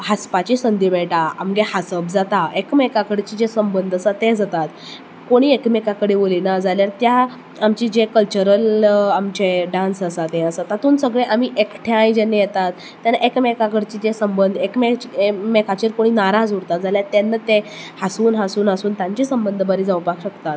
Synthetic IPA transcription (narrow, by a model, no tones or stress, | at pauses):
ɦaspat͡ɕisənd̪imɛɭʈaa̰mɡehasəb̚d͡zat̪aekmekakəɽt͡ɕiːd͡ʑesəmbənd̪ʱəsət̪ẽd͡zat̪at̪ | koɽ̃iːekmekakəɽeʋolinad͡zaljaɾt̪ja | amt͡ɕiːd͡ʑekəlt͡ɕuɾəlamt͡ɕeɖãnsəsat̪ɛ̃əsat̪at̪ʰuːnsəɡɭeʔamiʔekʈʰeãjd͡ʑenːejet̪at̪ːanaʔekmekakəɽt͡ɕiːd͡ʑesəmbənd̪ʱekmet͡ɕmekat͡ɕiɾkoɽ̃iːnaɾad͡zɦuɽt̪at̪d͡zaljaɾt̪ɛnːət̪ehasuːnɦasuːnɦasuːnt̪ãɲt͡ɕisəmbənd̪ʱəbəɾiːd͡zawpakɕəkt̪at̪